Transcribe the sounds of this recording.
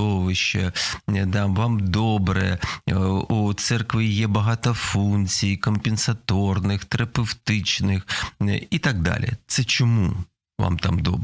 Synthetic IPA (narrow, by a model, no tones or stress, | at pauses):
ɔʋɪʃt͡ʃːɐd̪ɑʋɑmd̪ɔbɾɛ | ut̪sɛrkʋʲijɛbɐɦɑt̪ɔfunʲt͡sʲijkɔmpʲɪnsɐt̪ɔrnɪxt̪ɐɾɐpewt̪ɪt͡ʃnɪxit̪aɡ̚d̪ɑ̰lʲḭt̪sɛt͡ʃɔmu | ʋa̰mt̪a̰md̪ɔ̰b